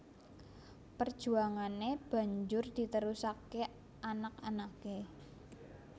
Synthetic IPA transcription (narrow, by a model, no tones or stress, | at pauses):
pərd̥ʒ̥ṳaŋaneb̥ä̤ɲd͡ʒʊrd̪̥i̤t̪əɾusake | ʔanakanake